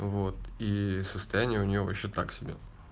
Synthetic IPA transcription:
vot̪isəst̪ɐjænʲɪjəʊnʲɪjo̞vɐɕːet̪aksʲɪbʲḛ

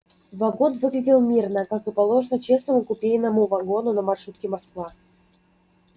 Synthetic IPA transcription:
vɐɡo̞nvɨɡlʲɪdʲɪlˠmʲirnəkakɨpɐlˠo̞ʐnət͡ɕe̞snəmʊkʊpʲejnəmʊvɐɡo̞nʊnəmɐrʂut̪̚kʲɪmɐskva

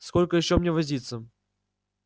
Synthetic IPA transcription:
skolʲkəjɪɕːomnʲevɐzʲit̪sə

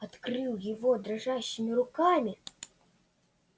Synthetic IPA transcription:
ɐt̪krɨwjɪvɔd̪ɾaʐaɕːɪmʲɪɾʊkamʲi

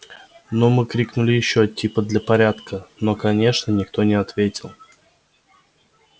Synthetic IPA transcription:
nomɨkɾʲiknʊlʲɪjɪɕːotʲipəd̪lʲəpɐɾʲat̪kəno̞kɐnʲe̞ʂnənʲɪkt̪o̞nʲɪɐt̪vʲetʲɪlˠ

